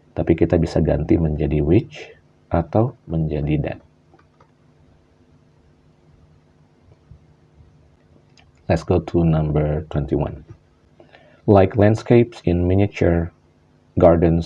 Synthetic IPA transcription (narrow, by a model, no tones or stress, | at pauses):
t̪apikit̪abisaɡa̰nt̪iməɲd͡ʒadiwɪt͡ʃ | ʔat̪awməɲd͡ʒadidɛ̰t̪̚ | lɛtsɡ̥ot̪ʰunãmbəɾt̪wɛnt̪iwã̰n | lajklɛ̃ndskepsɪnminit͡ʃəɹ | ɡardəns